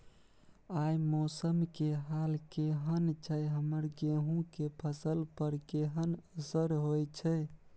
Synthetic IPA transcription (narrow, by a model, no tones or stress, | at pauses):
ajmosəmkeɦalkeɦənt͡ʃʰəjɦəməɾɡeɦũkepʰəsəlpəɾkeɦənəsəɾɦojt͡ʃʰɛ